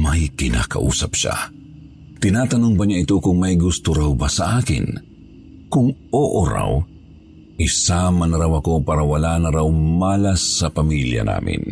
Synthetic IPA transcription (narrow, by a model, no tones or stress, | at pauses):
mɐjkɪna̰ːkɐ̰ʔuːsɐpʃa̰ | t̪ɪnaːt̪ɐnoŋpɐɲaʔɪt̪okʊŋmɐjɡʊst̪oɾawbasɐʔaːkɪ̰n | kʊŋʔoːʔoɾa̰w | ʔɪsamɐnɐɾawɐko̞paːɾɐwɐlaːnɐɾawmaːlasːɐpɐmiljɐ̰na̰ːmʔɪ̰n